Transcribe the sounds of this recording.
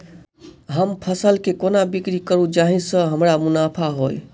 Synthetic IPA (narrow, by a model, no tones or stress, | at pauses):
ɦəmpʰəsəlkekonabikɾikəɾũd͡ʒaɦĩsə̃ɦəmɾamunapʰaɦoj